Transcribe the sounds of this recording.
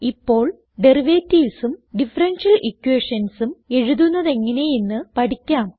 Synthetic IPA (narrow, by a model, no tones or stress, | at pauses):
ipːo̞ːɭ | ɖe̞riʋetːiːsumɖifɐrɐnʂɐlʔikːweːʂɐnsume̞ɻuðunːɐðe̞ŋːɐne̞jinːɨpɐʈikʲːaːm